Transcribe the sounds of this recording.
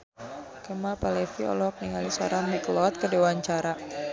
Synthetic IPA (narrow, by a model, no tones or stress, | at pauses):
kəmalpalɛfiɔ̰lɔk̚niŋalisɔ̰ɾamɛklɔt̪̚kədewaɲt͡ʃaɾa